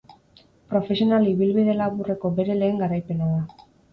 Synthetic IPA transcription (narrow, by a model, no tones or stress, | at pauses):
pɾo̞fe̞sio̞naliβilβiðe̞laβure̞ko̞be̞ɾe̞le̞ːŋɡaɾajpe̞naða